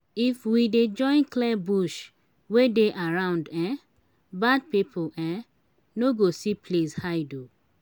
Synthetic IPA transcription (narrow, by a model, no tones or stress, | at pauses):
ifwided͡ʒɔ̃ɪ̃nklɛbuʃ | wedeʔaɹãʊ̃ndɛ̃ | bad̚pipʰoɛ̃ | noɡosipʰleshaɪdo